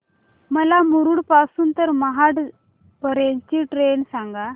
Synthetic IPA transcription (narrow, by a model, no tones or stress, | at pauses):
məlamuɾuːɽpasuːnt̪əɾməɦaʈ | pəɾeɲt͡ɕiʈɾensaŋɡa